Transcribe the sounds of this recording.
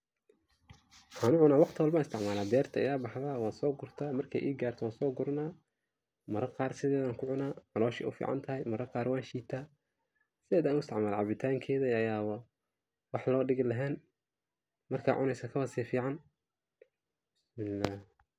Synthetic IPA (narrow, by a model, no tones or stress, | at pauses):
wħaːnʊʕʊnaːwɑqt̪ʰɪwɑlbaːnɪst̪ɪʕmaːlaːd̪ɛːrt̪ʰɐʔɪ̰jaːbɑħðaːwaːnsɔːɡʊrt̪ʰaːmɐrkʰɛ̰ʔḭːɡaːrt̪ʰɐwaːnsɔːɡʊɾnaː | mɐɾɐqɑːrsɪðɛːðaːŋkʰʊʕʊnaːmɐlɔːʃɛ̰ʔʊ̰fḭːʕɑ̰nt̪ʰɐɦɛjmɐɾɐqɑːɾwaːnʃiːt̪ʰaː | sɪɛːd̪aːnʊɪst̪ɪʕmaːlaʕɑβɪt̪ʰaːŋkʰɛːðɐɐjaːwɐ | wɑħlɔːɖɪɣɪlɐɦɛːn | mɐrkʰa̰ːʕʊnɛjsɐkʰɐβɐsiːfiːʕɑn | bɪsmɪlːaːh